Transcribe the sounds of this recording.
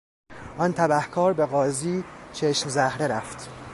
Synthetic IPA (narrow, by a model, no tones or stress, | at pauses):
ʔɒnt̪ʰæbæhkʰɒːɾbe̞ɣɒːziːt͡ʃʰeʃmzæhɾe̞ɾæft̪